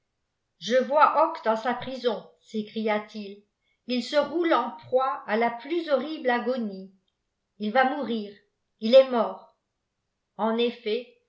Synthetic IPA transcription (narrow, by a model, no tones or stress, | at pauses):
ʒəvwaʔɔkd̪ɑ̃sapχizɔ̃sekχijat̪il | ilsəʁulɑ̃pχwaalaplyzɔʁiblaɡɔni | ilvamuʁiːʁ | ilɛmɔːʁ | ɑ̃nefɛ